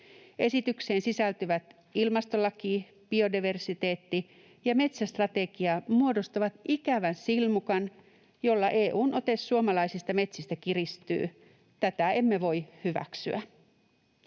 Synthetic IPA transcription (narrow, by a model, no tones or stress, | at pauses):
ʔe̞sit̪ykseːnsisælt̪yʋæt̪ | ilmɑst̪olːɑkiː | b̥io̞diʋe̞rsit̪e̞ːt̪ːi | jɑme̞t̪sæst̪rɑt̪eɡ̥iɑmuodo̞st̪ɑʋɑt̪ikæʋænsilmukɑn | jo̞lːɑʔeːʔuːnʔo̞t̪esːuomɑlɑisist̪ɑme̞t̪sist̪ækirist̪y̰ː | t̪æt̪æemːeʋo̞ihyʋæ̰ksyæ